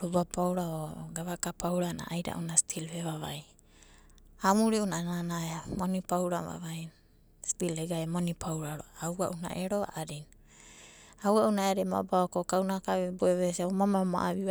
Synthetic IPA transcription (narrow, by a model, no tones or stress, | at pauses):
ɾubapawɾaoɡaβakapawɾana̰ʔajɾa̰ʔunasi̥tʰilheβaβaj | amuɾiunananaamonipawɾaβa̰βajn | spileɡajamonipʰawɾaɾoawa̰ʔuna̰ʔeɾoa̰ʔaɾin | awaʔunaeaɾima̰baokokawnakaβeboeβesiaomamama̰ʔaβia